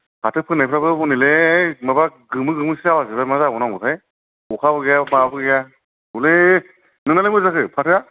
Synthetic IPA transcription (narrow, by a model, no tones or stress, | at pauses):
pʰatʰɯpʰɯnajpʰɾabɯbɔnilemabaɡɯmɯɡɯmɯsiawaziβamazaɡɔnaŋɡɔtʰaj | ukʰabɯɡejababɯɡeja | ule | nɯŋnalemɯzakɯpʰatʰɯa